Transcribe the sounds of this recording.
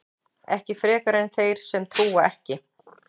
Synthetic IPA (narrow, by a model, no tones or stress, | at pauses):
ɛhcɪfɾɛːkaɾɛnθejɾ̥sɛmt̪ʰuːwaɛhcɪ